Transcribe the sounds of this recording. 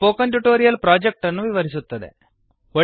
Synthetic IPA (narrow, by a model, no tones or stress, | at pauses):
poːkɐɳʈuʈoːɾijɐlpɾaːd͡ʒek̚ʈɐnːuʋiʋɐɾisut̪ːɐd̪e̞̰ | ʋɐ